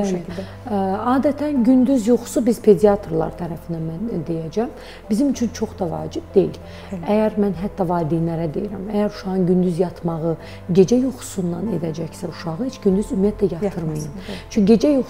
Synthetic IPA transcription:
æli | ɑːd̪æt̪ʰænɟynd̪yzjoχsubizpʰe̞d̪iɑt̪ʰoɾlˠɑ̰ɾt̪ʰæɾæfind̪æmænd̪e̞jæd͡ʒæm | bizimit͡ʃʰynt͡ʃʰo̞χd̪ɑvɑ̰ːd͡ʒib̚d̪e̞̰jḭl | æjæɾmænɦæt̪ʰːɑvɑːd̪inæɾæd̪ḛjiɾæ̰mæjæɾuʃɑɣɯnɟynd̪yzjɑt̪ʰmɑɣɯ | ɟe̞d͡ʒæjoχu̥sunːɑne̞d̪æd͡ʒæçsæuʃɑʁɯhet͡ʃʰɟ̥ynd̪yzymijæt̪ʰlæjɑt̪ʰɯɾmɯjɯmt͡ʃʰyɟe̞d͡ʒæjo

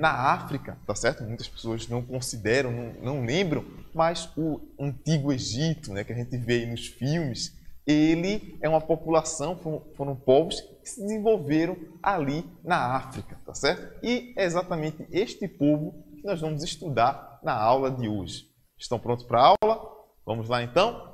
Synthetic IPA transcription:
nɐafɾikɐt̪asɛɾt̪ʊmũj̃t̪ɐspe̥soɐznɐ̃w̃kõsid̪ɛɾɐ̃w̃nɐ̃w̃nɐ̃w̃lẽmbɾɐ̃w̃mɐzʊɐ̃nt̪iɡʊeʒit̪ʊnɛkɪaʒẽnt̪ɪvejnʊsfiwmɪselɪɛũmɐpopulasɐ̃w̃fõfoɾɐ̃w̃pobʊskɪ̥sɪd̪ɪzẽvowveɾɐ̃w̃alinɐafɾikɐt̪asɛɾt̪ʊ̥ɪɛezat̪ɐmẽnt̪ɪʔeʃt̪ɪpovʊkɪnɔzvɐ̃mʊzɪʃt̪ud̪aɾnɐawlɐd̪ɪoʒɪ | ɪʃt̪ɐ̃w̃pɾõnt̪ʊ̥pɾɐaawwlɐ | vɐ̃mʊzlaẽnt̪ɐ̃w̃

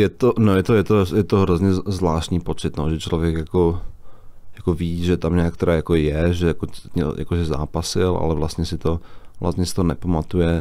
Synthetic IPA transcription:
jɛt̪onojɛt̪ojɛt̪ojɛt̪oɦɾozɲɛzvlaːʃt̪ɲiːpot͡sɪt̪noʒɛt͡ʃlovjɛkjako | jakoviːʒɛt̪amɲaːkt̪ɛɾaːjakojɛʒɛjakoɛ̰ja̰koʒɛza̰ːpasɪlʔa̰lɛvlast̪ɲɛsɪt̪ovla̰st̪ɲɛsɪ̥t̪onɛpamat̪ujɛ

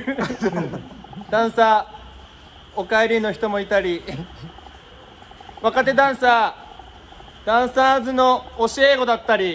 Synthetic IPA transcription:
d̪ãɰ̃sa | okaeɾʲino̞çi̥t̪o̞mo̞it̪aɾʲi | βakat̪e̞d̪ãɰ̃sa | d̪̥ãɰ̃sazɨno̞ːɕieːɡo̞d̪at̪ːaɾʲi

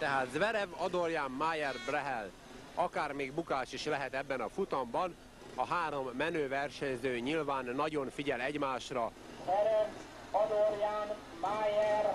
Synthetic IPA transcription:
t̪ɛɦaːt̪zʋɛɾɛvɒd̪orjaːmmaːjɛrbrɛɦɛl | ɒkaːrmeːɡbukaːʃiʃlɛɦɛt̪ɛbːɛnɒfut̪ɒmbɒn | ɒɦaːɾo̞mːɛnøːvɛrʃɛɲzøːɲilvaːnːɒɟo̞ɱfiɟɛlɛɟmaːʃrɒ | zvɛɾɛv | ɒd̪orjaːn | maːjɛr

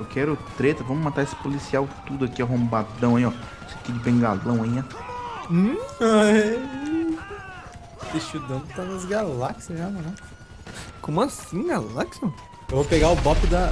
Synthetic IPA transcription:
ewkʰɛɾʊt̪ɾet̪ɐvɐ̃mʊmat̪aesɪ̥polisiawt̪ud̪ʊakiaɦõmbad̪ɐ̃w̃ɐĩɔ | esɐkid͡ʒɪbẽɡalɐ̃w̃ɐĩã | a | iʃud̪ɐ̃d̪ʊt̪anɐzɡalaksjɐʒanɐlaks | kõmʊɐsĩɡalaksõ | ewvopeɡaʊbɔpɪd̪ɐ

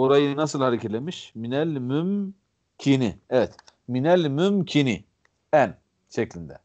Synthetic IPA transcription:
oɾajɯnasɯlˠhaɾecʰelʲemiʃminɛlʲmym | cʰiniɛvɛt̪ | minɛlʲmymcʰini | æn | ʃeclʲind̪ɛ̰

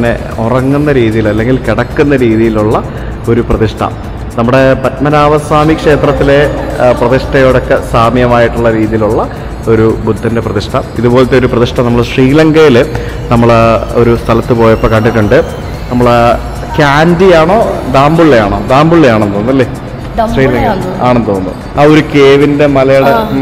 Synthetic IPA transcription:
nːe̞̰ | orɐŋːunːɐɾiːðijilɐlːe̞ŋɡilkiɽɐkːunːɐɾiːðijiluɭːɐ | o̞ɾuprɐðiʂʈʰɐ̰ | nɐmːuɽe̞pɐtmɐnaːʋɐsaːmikʂe̞ːt̪rɐt̪ːile̞prɐðiʂʈɐjo̞ːɽokːe̞saːmjɐmaːjiʈːuɭːɐɾiːðijiluɭːɐ | o̞ɾubud̪ʱːɐnde̞prɐðiʂʈʰɐiðubo̞ːlɐt̪ːeoɾuprɐðiʂʈʰɐmnɐmːɐɭɕriːlɐŋɡɐjil | nɐmːɐɭo̞̰ɾust̪ʰɐlɐt̪ːɨpo̞ːjɐpːoːkɐɳɖiʈːuɳɖɨ | nɐmːɐɭ | kaːndijaːɳo̞ːd̪aːmbuɭːejaːɳo̞ːd̪aːmbuɭːejaːɳent̪oːnːɐlːeː | sriːlɐŋɡɐaːɳent̪oːnːṵ | aːo̞ɾukeːʋinde̞mɐlɐjuɽe

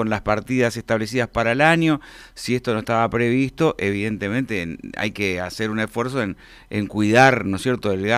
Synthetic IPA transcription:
onlaspaɾt̪iðaseht̪aβle̞s̬iðaspaɾaelaɲjo̞ | siest̪o̞no̞eht̪aβapɾe̞βist̪o̞ʔeβiðe̞nt̪e̞mẽnt̪ea̰jkeaseɾunesfwe̞ɾs̬o̞en | eŋkwiðaɾnosjeɾt̪o̞elɣa

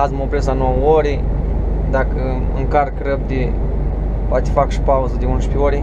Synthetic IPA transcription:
azmopɾesanuawoɾe | d̪akə | ɨ̰ŋkarkrəb̚d̪ʲe | poat̪ʲe̥fakʃi̥pauzəd̪ʲeunʃpʲeoɾe

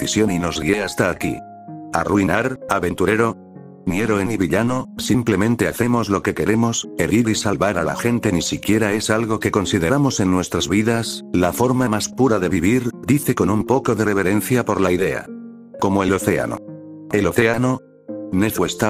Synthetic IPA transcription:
isjo̞nino̞zɣie̞ast̪aːkḭ | a̰rwuinaɾaβe̞nt̪uɾe̞ɾo̞ | njeɾo̞eniβiʎano̞simple̞mẽ̞nt̪e̞aθe̞mo̞zlo̞ke̞ke̞ɾe̞mo̞se̞ɾiɾisalβaɾala̰xe̞nt̪e̞nisikje̞ɾae̞salɣo̞ke̞ko̞nsiðe̞ɾamo̞se̞nːwe̞st̪ɾazβiðaslafo̞ɾmamaspuɾaðe̞β̞iβ̞iɾd̪iθe̞ko̞numpo̞ko̞ðe̞re̞β̞e̞ɾe̞n̟θjapo̞ɾlaiðe̞a̰ | ko̞mo̞e̞lo̞θe̞a̰no̞̰e̞lo̞θe̞ano̞ | ne̞θest̪a

